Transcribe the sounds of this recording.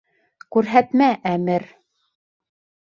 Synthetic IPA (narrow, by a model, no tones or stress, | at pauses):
kʉɾɦæt̪mæʔæmɘɾ